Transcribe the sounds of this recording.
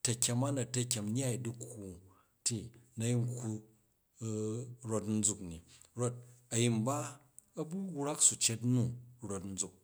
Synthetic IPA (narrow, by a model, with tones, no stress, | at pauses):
tɐ˨kʲe˧ma˦nɐ˨tɐ˨kʲe˨mn˦a˦i˨du˦khu˨ | ti˨nɐ˦ji˦ŋku˧˦ | ɾo˦tn̩˦d͡zu˧kni˨ | ɾo˦t̚ɐ˨ji˨mba˦ | ɐ˦bu˦ɣɾa˦ksu˨t͡ʃe˦tnu˦ɾo˦tn̩˦d͡zu˨k̚